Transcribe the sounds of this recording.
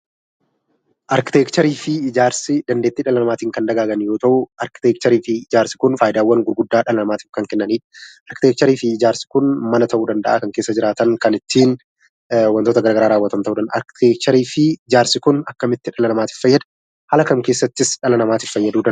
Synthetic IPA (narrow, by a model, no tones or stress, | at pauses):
ʔɐɾkɪt̪eːkt͡ʃɐɾiːfɪɪd͡ʒaːɾsɪd̪ɐnd̪e̞ːt̪ːiːᶑɐlɐnɐmaːt̪iːŋkɐnd̪ɐɡaːɡɐnjo̞ːt̪ɐʔʊʔɐɾkɪ̥t̪eːk̚t͡ʃɐɾiːfɪːd͡ʒaːɾsɪ̥kʊnfaːjɪd̪aːwːɐŋɡʊɾɡʊd̪ːaːᶑɐlɐnɐmaːt̪ɪfkɐŋkɛnːɐniːᶑɐ̥ʔɐɾkɪt̪eːk̚t͡ʃɐɾiːfɪːd͡ʒaːɾsɪ̥kʊnmɐnɐt̪ɐʔuːd̪ɐnd̪ɐʔaːkɐŋkeːsːɐd͡ʒɪɾaːt̪ɐŋkɐnɪt̪ːiːn | wɐnt̪oːt̪ɐɡɐɾaːɡɐɾaːɾaːwːɐt̪ɐmt̪ɐʔuːᶑ̪ɐnʔɐ̰ɾkɪ̥t̪eːk̚t͡ʃɐɾiːfɪɪd͡ʒaːɾsɪkʊnɐkːɐmɪt̪ːɪᶑɐlɐnɐmaːt̪ɪ̥ffɐjːɐd̪ɐ | hɐlɐkɐmke̞ːsːɐt̪ːɪsᶑɐlɐnɐmaːt̪ɪffɐjːɐd̪uːd̪ɐ